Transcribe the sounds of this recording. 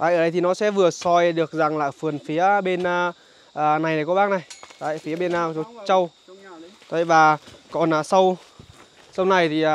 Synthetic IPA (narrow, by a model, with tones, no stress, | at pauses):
aː˧˨ʔəː˨˩ɗə˧˦jt̪ʰi˨˩nɔ˨˦sɛ̰˧˥vɨ˨˩əsɔ˧jɗɨ˨˩ək̚za˨˩ŋlaː˨˩fɨ˨˩ənfi˨˦əɓe˧n˧ | ʔːna˨˩jnə˨˩jkɔ˨˧˦ɓaː˧ŋna˨˩jt̪a̰ː˧˨fi˨˦əɓe˧na˧˨˩t͡ɕo˨˦t͡ɕə˧w | t̪o˧˩˨jvaː˨˩kɔ˨˩naː˨˩sə˧w | sə˧wna˨˩jt̪ʰi˨˩˨